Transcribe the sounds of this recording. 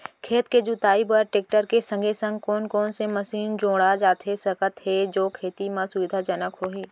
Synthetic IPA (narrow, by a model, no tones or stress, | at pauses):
kʰeːt̪ked͡ʒut̪aːibəɾʈeːk̚ʈəɾkesə̃ŋɡʱesə̃ŋɡ̚kɔːnkɔːnseməsiːnd͡ʒõːɽad͡ʒaːt̪ɦesəkət̪ɦed͡ʒoːkʰeːt̪imãsʊʋɪd̪ʱad͡ʒənəkɦoːɦiː